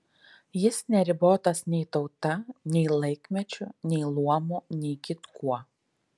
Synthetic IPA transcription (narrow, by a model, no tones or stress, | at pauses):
jɪsnʲɛɾʲɪboːt̪ɐsnʲɛɪt̪ɒʊt̪ɐnʲɛɪlˠɐɪkmʲɛt͡ʃʲʊnʲɛɪlˠuɔmoːnʲɛɪkʲɪt̪kʰuɔ